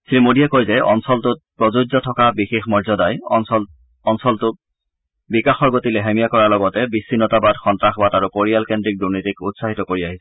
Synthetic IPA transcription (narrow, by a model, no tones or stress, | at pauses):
sɹimodijakojzɛʔɔ̰nsɔltʊt̚pɹozud͡ʒzɔtʰɔkabixexmɔɹzɔdaj | ɔnsɔltʊ | bikaxɔɹɡotilɛɦɛmijakɔɹalɔɡɔtɛbisːinɔtabadxɔntɹaxbadaɹukoɹialkendɹik̚duɹnitikutsaɦitɔkoɹiaɦisɛɛ